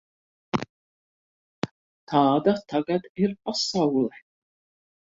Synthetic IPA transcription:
t̪ʰaːd̪at̪ʰaɡad̪irqʼɔsawlħ

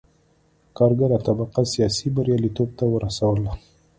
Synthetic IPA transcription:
kɑɾɡaɾat̪abaqasijɑsibaɾjɑlit̪ob̚t̪awəɾasawəla

